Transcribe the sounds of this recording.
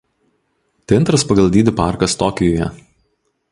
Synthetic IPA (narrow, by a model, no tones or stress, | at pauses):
t̪ʲɪnt̪ɾɐspɐɡɐlˠd̪ʲiːd̪ʲɪpɑˑɾkɐst̪ɔkʲɪjɔːjɛ̰